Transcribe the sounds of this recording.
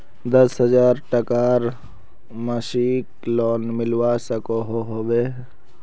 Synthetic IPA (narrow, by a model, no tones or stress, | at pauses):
d̪əsɦəzaːɾʈəkaːɾ | məʃiːklɔːnmɪlwasəkoɦoɦobeː